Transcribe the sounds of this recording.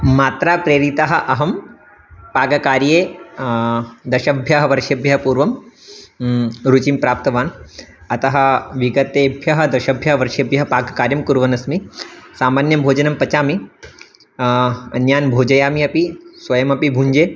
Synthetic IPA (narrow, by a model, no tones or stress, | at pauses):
maːt̪ɾaːpɾeːɾit̪ɐɦɐ̆ʔɐɦɐm | paːɡɐkaːɾjeː | d̪ɐʃɐbʱjɐɦɐʋɐɾʃɐbʱjɐɦɐpuːɾʋɐm | ɾut͡ʃimpɾaːp̚t̪ɐʋaːn | ɐt̪ɐɦɐ̆ʋiɡɐt̪eːbʱjɐɦɐ̆d̪ɐʃɐbʱjɐɦɐʋɐɾʃɐbʱjɐɦɐpaːɡɐkaːɾjɐmkuɾʋɐnɐsmisaːmaːnjɐmbʱoːd͡ʒɐnɐmpɐt͡ʃaːmi | ɐ̰njaːnbʱoːd͡ʒɐjaːmiɐpisʋɐjɐmɐpibʱuɲd͡ʒeː